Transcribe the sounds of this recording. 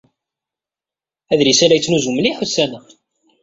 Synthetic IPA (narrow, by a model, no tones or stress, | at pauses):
æðɾisælæjət͡sːnuzuməliħusːænə